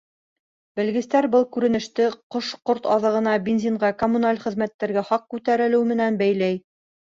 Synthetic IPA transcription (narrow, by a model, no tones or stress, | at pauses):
bɘ̆lɡɘ̆st̪æɾbɤlˠkʉɾɘ̆nɘ̆ʃt̪ɘqoʃqoɾt̪ɑðɤ̆ʁɤ̆nɑbʲenzʲiɴɢɑkomunalʲχɘ̆ðmæt̪ːæɾɡæχɑq̚kʉt̪æɾɘ̆lɘwmɘ̆nænbæjlæj